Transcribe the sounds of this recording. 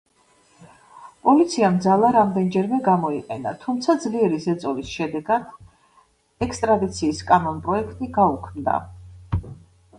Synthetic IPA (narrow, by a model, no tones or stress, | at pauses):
pʼɔlit̪sʰiamd̪zalˠaɾamd̪ɛnd͡ʒɛɾmɛɡamɔiqʼɛ̰na̰t̪ʰumt̪sʰad̪zliɛɾizɛt̪sʼɔlisʃɛd̪ɛɡad̪̥ | ɛkst̪ʼɾad̪it̪sʰiːskʼanɔnpʼɾɔɛkʰt̪ʼiɡaukʰmd̪a̰